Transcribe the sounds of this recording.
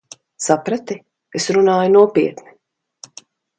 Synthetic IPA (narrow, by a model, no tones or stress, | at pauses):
sapɾat̪i | esɾunaːjunuɔpiɛt̪ni